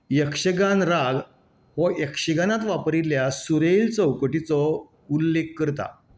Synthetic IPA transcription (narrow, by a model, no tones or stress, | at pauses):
jəkʂəɡanɾaɡ | ɦɔjəkʂəɡanat̪ʋapɾiljasuɾejlt͡səwkoʈit͡sɔ | ulːekːəɾt̪a̰